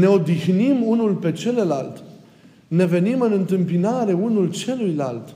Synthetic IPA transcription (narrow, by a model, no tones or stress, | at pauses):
ne̞o̞d̪ixnimunulpe̞t͡ʃe̞lela̰lt̪ | ne̞ve̞nimɨnɨnt̪ɨmpinaɾe̞unult͡ʃe̞lujlalt̪